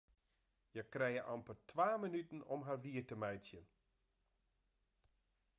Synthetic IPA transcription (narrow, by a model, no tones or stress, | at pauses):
jəkrɛjəʔampərtʰʋaːmənytnɔmɦarʋiərtəmɛjtjən